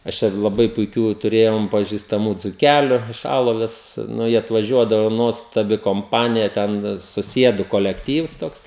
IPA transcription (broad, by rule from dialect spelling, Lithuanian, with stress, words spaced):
ɐʃ ˈt͡ʃʲɛ lˠɐˈbɐɪ pʊɪˈkʲuː tʊˈrʲeːjoːm pɐʒʲɪstɐˈmuː d͡zʊˈkʲælʲʊ ɪʃ ˈɑːlˠoːʋʲɛs nʊ jiɛ ɐtʋɐˈʒʲuɔdɐʋʊ ˈnuɔstɐbʲɪ koːmˈpɑːnʲɪjɛ ˈtʲɛn sʊˈsʲiɛdʊ koːlʲɛkˈtʲiːws ˈtoːks